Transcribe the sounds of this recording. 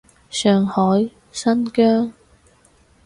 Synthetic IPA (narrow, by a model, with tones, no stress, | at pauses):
sœː˨ŋhɔː˨˥j | sɐ˥nkœː˥ŋ